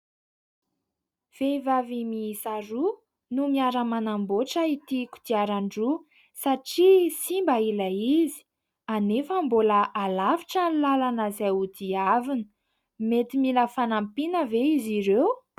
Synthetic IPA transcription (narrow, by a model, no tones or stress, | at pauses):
v̥evavimisaɾu | numiaɾəmanamboʈ͡ʂəit̪iku̥d̪̥iaɾaɳɖ͡ʐu | saʈ͡ʂisimbailaizi̥ | anefəmboləʔalaviʈ͡ʂənlalanəzeud̪iavinə | met̪imiləfanampinəveiziɾew